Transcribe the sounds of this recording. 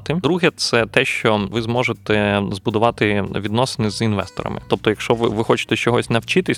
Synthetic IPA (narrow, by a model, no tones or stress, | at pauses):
t̪ɪd̪ɾuɦɛt̪sɛt̪ɛʃt͡ʃɔʋɪzmɔʒet̪ɛzbʊd̪ʊʋɑt̪ɪʋʲid̪nɔsɪ̥nɪzinʋɛst̪ɔ̰ɾɐ̰mɪ̰t̪ɔp̚t̪ɔjɐkʃt͡ʃɔʋɪʋɪxɔt͡ʃɪ̥t̪ɛt͡ʃɔɦɔsʲnɐwt͡ʃɪt̪ɪsʲ